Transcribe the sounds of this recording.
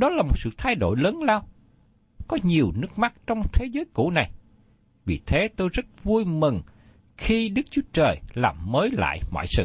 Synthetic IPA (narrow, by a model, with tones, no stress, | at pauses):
ɗɔ˨˦laː˨˩mo˨˩t̚sɨ̰˧˨t̪ʰa˧jɗo̰˧˨jləː˨˦nlaː˧w | kɔ˨˦ɲi˨˩əwnɨ˦˥ək̚ma˦˥k̚t͡ɕɔ˧wŋ͡mt̪ʰe˨˦zəː˨˦jkṵ˧˩˥na˨˩j | vi˨˩t̪ʰe˨˦t̪o˧jzə˦˥t̚vu˧jmɨ˨˩ŋ | xi˧ɗɨ˦˥k̚t͡ɕu˨˦ət͡ɕəː˨˩jlaː˨˩mːəː˨˦jla̰ː˧˨jmɔ̰˧˨jsɨ̰˧˨